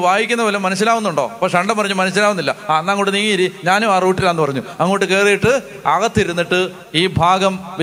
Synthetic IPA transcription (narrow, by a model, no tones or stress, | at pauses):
ʋaːjikʲːunːɐpɐlemɐnɐsːilaːʋunːuɳɖo̞̰ːpɐkʂeɐɳɖɐmpɐrɐɲːumɐnɐsɕ̬ːilaːʋunːilːɐanːaɐŋːoːʈːɨniːŋiiɾiɲaːnuaːruːʈːilaːnːɨpɐrɐɲːuɐŋːoːʈːɨke̞ːrijiʈːɨ | ɐɣɐt̪ːiɾunːiʈːɨ | iːbʱaːɡɐmʋ